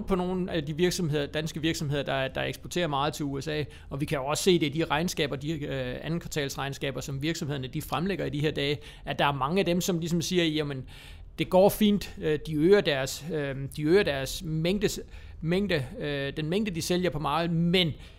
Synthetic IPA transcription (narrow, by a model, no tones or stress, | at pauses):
pʰɒ̽no̝ːn̩æd̥iʋiɐɡ̥sɒ̽mhe̝ð̞̰ˠɐd̥ænsɡ̥əʋiɐɡ̥sɒ̽mheðˠɐd̥ɑ̈d̥ɑ̈eɡ̥sb̥ɐt͡sʰe̝̰ːɐmɑ̈ːð̞̩ˠt͡sʰe̝luesɛ̰ː | ɒ̽ʋikʰæjo̝ɒ̽sse̝̰ːd̥e̝d̥iʁɑ̈ɪnsɡ̥ɛ̰ːb̥ɐd̥iænn̩kʰʋɑ̈t͡sʰɛ̰ːlsʁɑ̈ɪnsɡ̥ɛ̰ːb̥ɐsɒ̽mʋiɐɡ̥sɒmhe̝ðˠɐnəd̥ifʁamleɡ̥ɐidihe̝ɐd̥ɛː | æ̥ɑ̈æɐmɑ̈ŋəæd̥emsɒ̽mlis̬ɒ̽msiːɐjæmən | d̥e̝ɡ̥ɒ̰ːfḭːnd̥d̥iøːɐd̥æɐsød̥iøːɐd̥æɐsmeŋ̰d̥ə | meŋ̰d̥əd̥enmeŋ̰d̥əd̥iseljɐpʰɒ̽mɑ̈ːð̩ˠmen